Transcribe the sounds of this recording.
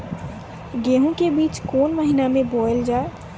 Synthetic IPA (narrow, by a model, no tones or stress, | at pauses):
ɡeɦũkebiːt͡ʃkoːnməɦinamẽboːld͡ʒaːe